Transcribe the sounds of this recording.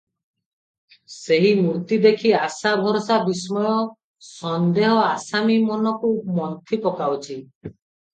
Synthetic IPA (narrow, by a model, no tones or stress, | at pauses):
seɦimuɾt̪id̪ekʰiasabʱɔɾɔsabismɔjɔ | sɔnd̪eɦɔasamimɔnɔkumɔnt̪ʰipɔkawt͡ʃʰi